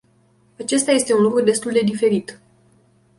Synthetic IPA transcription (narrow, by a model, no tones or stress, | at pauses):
at͡ʃe̞st̪aje̞st̪e̞unlukɾud̪e̞st̪uld̪e̞d̪ife̞ɾit̪